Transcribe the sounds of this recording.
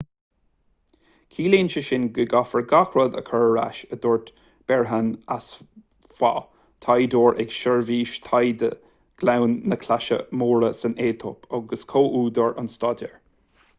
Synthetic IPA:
kʰiːleːnʃəʃɪnɡəɡafəɹɡaxɹɔd̪ə̰kʰəɹɹa̰ʃəd̪ɔːɹt̪ | b̥ɛɹɦanas | fwa̰ | t̪ʰajd̪oːɹʔɛ̰ɡʃəɹviːʃt̪ʰajd̪ə̰ | ɡ̥lawnːəkʰlaʃə̰moːɹəsəneːt̪ʰɔ̰pʰɔɡəskʰoːʔuːd̪əɹʊ̰nstɑːdɛ̰ɹ

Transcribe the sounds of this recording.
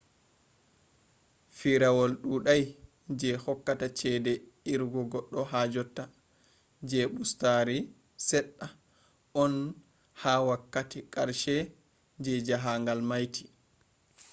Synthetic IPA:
fiɾawɔlɗuɗaj | d͡ʒɛhɔkːatat͡ʃɛdɛ | iɾɡɔɡɔɗːɔɦad͡ʒɔtːa | d͡ʒɛɓustaɾi | sɛɗːa | ʔɔn | hawakːatikʼaɾʃɛ | d͡ʒɛd͡ʒaɦaŋɡalmajtʰi̥

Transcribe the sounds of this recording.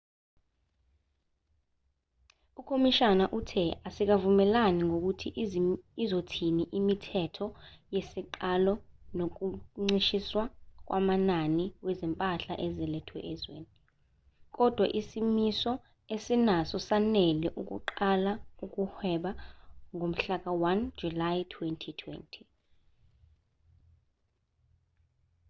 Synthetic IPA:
ukʰomiʃanaʔutʰɛasik̬avumɛlaniŋok̬utʰiizotʰiniʔimitʰɛtʰɔjesiǃalɔnok̬uŋ͡ǀiʃiswak̬wʔa̰mananiwɛzɛmpʼaɬa̰ʔɛzɛlɛtʰwɛ̰ʔɛzwḛːni | k̬ʼɔd̥ʱwaʔisimisɔ | esinasɔsanɛlɛʔuk̬ʼṵǃalaukʼuhwɛɓaŋʱom̩ɬak̬ʼawand͡ʒulajtʰwɛntʰitʰwɛ̰ntʰi̥

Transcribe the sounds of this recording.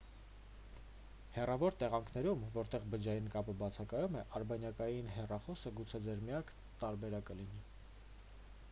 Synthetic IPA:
hɛrɑvɔɾt̪ɛʁɑŋkʰnɛɾumvɔɾt̪ɛʁbəd͡ʒɑjinkɑpəbɑt͡sʰɑkɑjumɛʔɑɾbɑnjɑkɑjinɦɛrɑχɔsəɡut͡sʰɛd͡zɛɾmijɑkʰ | t̪ɑɾbɛɾɑkəlini

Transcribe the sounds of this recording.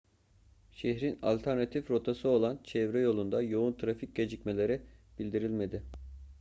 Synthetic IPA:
ʃeçɾina̰lʲt̪ʰæɾnat̪ʰifɾo̞t̪ʰasɯo̞lˠant͡ʃʰɛvɾɛjo̞lˠund̪ajo̞unt̪ʰɾafic̚ɟed͡ʒicme̞lʲe̞ɾib̥ilʲd̪iɾilʲme̞d̪ɪ

